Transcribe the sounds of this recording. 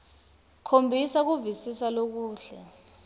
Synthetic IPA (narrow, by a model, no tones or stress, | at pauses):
kʰombʱisak̬uvisisalok̬uːɬɛ